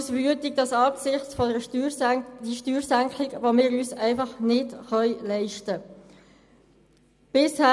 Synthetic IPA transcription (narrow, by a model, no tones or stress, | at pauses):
sbyətɪk̚d̥ɑsɑːksɪχt͡sfɔdə | d̥iʃtyːɾsæŋkʰlɪɡvomɪːɾyːsæɪfɑχnɪdχœʏlɛɪʃtə | b̥ɪshæ